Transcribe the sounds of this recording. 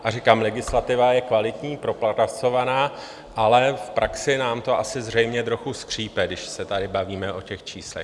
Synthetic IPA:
ʔarikaːmlɛɡɪslat̪ɪvajɛkvalɪt̪ɲiːpɾo̞plaat͡so̞vanaː | ʔalɛfpɾʔaksɪnaːmt̪o̞ʔasɪzrɛjmɲɛt̪ɾo̞xuskr̝̥iːpɛdɪʃsɛt̪adɪbaviːmɛʔo̞cɛxt͡ʃiːslɛ̰

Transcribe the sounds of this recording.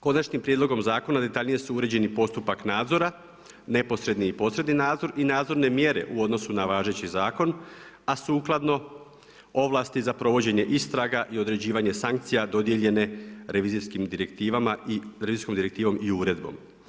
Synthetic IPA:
ko̞nat͡ʃnimpɾje̞d̪lˠo̞ɡo̞mzaːko̞nad̪e̞t̪aʎnije̞suuɾe̞d͡ʑe̞nipo̞st̪upaknaːd̪zo̞ɾa | ne̞po̞sɾe̞d̪niipo̞sɾe̞d̪ninaːd̪zo̞ɾinaːd̪zo̞ɾne̞mje̞ɾe̞̰ʔuo̞d̪no̞sunaʋaːʒe̞t͡ɕizaːko̞n | asuːklˠad̪no̞ | o̞ʋlˠast̪izapɾo̞ʋo̞d͡ʑe̞ɲe̞ʔist̪ɾaɡaʔio̞d̪ɾe̞d͡ʑiːʋaɲe̞saŋk̚t̪sijad̪o̞d̪je̞ʎe̞ne̞ɾe̞ʋiːziskimd̪iɾe̞k̚t̪iːʋamaiɾeizisko̞md̪iɾe̞k̚t̪iːʋo̞miuɾe̞d̪̚bo̞̰m

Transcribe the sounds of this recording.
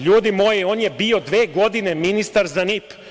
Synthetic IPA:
ʎuːd̪imo̞ːjio̞ːnjebiːo̞d̪ʋe̞ːɡo̞d̪ineminist̪aɾzanip

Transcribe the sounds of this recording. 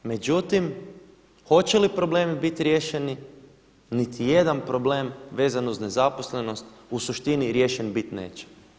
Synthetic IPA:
me̞d͡ʑut̪im | xo̞t͡ɕelipɾo̞ble̞ːmibit̪ɾje̞ːʃeni | nit̪ʰijed̪anpɾo̞ble̞ːmʋe̞ːzanuzne̞zapo̞sle̞no̞st̪usuʃt̪iniɾje̞ːʃenbit̪ne̞̰ːt͡ɕe̥

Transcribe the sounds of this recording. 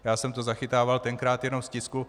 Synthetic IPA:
jaːsɛmt̪ozaxɪt̪aːvalt̪ɛŋkɾaːt̪jɛno̞mscɪsku

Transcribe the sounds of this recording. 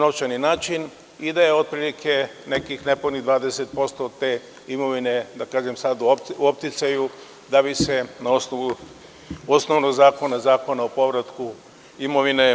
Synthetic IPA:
noft͡ʃaninaːt͡ʃin | id̪ajeo̞d̪̚pɾiːlikʰe̞ne̞kixnepod̪nid̪ʋaːd̪eset̪̚po̞st̪oːt̪e̞ | imo̞ʋine̞d̪akaːʒe̞msad̪op̚t̪it̪saju | d̪abise̞naosnoʋu | osno̞ʋnoɡzaːko̞nazaːko̞naopo̞ʋɾat̪ku | imoʋine̞

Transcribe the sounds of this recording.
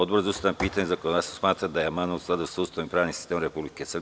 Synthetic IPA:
od̪bozust̪aanpiːt̪aɲezakood̪asosmaːt̪ɾad̪ajeamanousklad̪usaust̪animpɾaːʋnimsi̥st̪eːmɾepublikesr

